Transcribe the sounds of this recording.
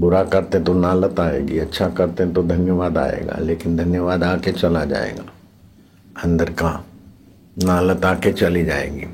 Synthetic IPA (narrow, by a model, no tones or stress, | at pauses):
bʊɾakɐɾt̪eɦt̪onaːlət̪aːḛːɡiɐtːʃʰakɐɾt̪eɦɛ̃t̪od̪ʱɐnjəʋaːd̪a̰ːḛːɡa̰ːleːkɪnd̪ʱɐnjəʋaːd̪aːket͡ʃɐlad͡ʒa̰ːḛːɡa̰ː | ɐ̃nd̪əɾka | naːlət̪aːket͡ʃɐlid͡ʒaːḛːɡiː